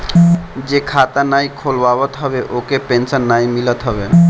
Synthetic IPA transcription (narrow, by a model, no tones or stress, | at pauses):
d͡ʒekʰat̪anaikʰolʋabət̪ɦəbeʔokepẽnsənːaimilət̪ɦəbḛ